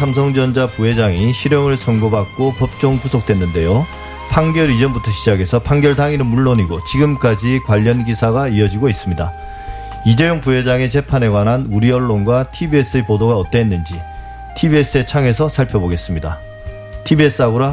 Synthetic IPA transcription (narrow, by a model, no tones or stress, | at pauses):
sʰamsʰʌŋd͡ʑʌnd͡ʑapuɦe̞d͡ʑaŋiɕʰiɾjʌŋɯɭsʰʌŋɡobak̚k͈opʌp̚t͡ɕ͈oŋpusʰok̚t͈we̞nːɯnde̞jo | pʰaŋɡjʌɾid͡ʑʌnbutʰʌɕʰid͡ʑaɡe̞sʰʌpʰaŋɡjʌɭdaŋinɯnmuɭːoɲiɡot͡ɕiɡɯmk͈ad͡ʑikwaʎːʌnɡisʰaɡaiʌd͡ʑiɡois͈ɯmɲida | id͡ʑejoŋpuɦe̞d͡ʑaŋe̞t͡ɕe̞pʰane̞ɡwanɦanuɾiʌɭːonɡwatʰibies͈ɯepodoɡaʌt͈einːɯnd͡ʑi | tʰibie̞s͈ɯe̞t͡ɕʰaŋe̞sʰʌsʰaɭpʰjʌboɡe̞s͈ɯmɲida | tʰibie̞s͈ɯaɡoɾa